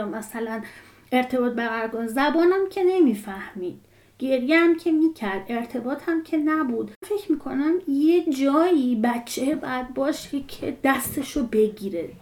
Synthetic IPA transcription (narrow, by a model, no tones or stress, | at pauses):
mæsælæn | ʔe̞ɾt̪ʰe̞bɒːt̪̚bæɣæɾkonzæbɒːnæmcʲʰe̞ne̞miːfæhmiːd̪̥̚ | ɡ̥e̞ɾjeæmcʲʰe̞miːcʰæɾd̪̥e̞ɾt̪ʰe̞bɒːt̪ʰæmcʰe̞næbuːd̪fe̞cʰmiːkʰo̞næmjed͡ʒɒːjiːbæt͡ʃʰːebɒːjæd̪̚bɒːʃecʰed̪̥æst̪e̞ʃobe̞ɟiːɾe